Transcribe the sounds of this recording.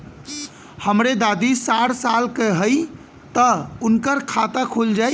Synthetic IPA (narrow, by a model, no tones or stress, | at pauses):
həmɾed̪ad̪isaɽsalkeɦəj | t̪əunkəɾkʰat̪akʰold͡ʒaj